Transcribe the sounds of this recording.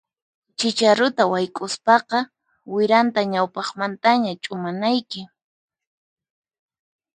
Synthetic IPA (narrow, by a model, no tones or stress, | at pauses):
t͡ʃɪt͡ʃaɾʊt̪awajkʼʊspɑqɑ | wɪɾant̪aɲawpɑχmant̪aɲat͡ʃʼʊmanajkɪ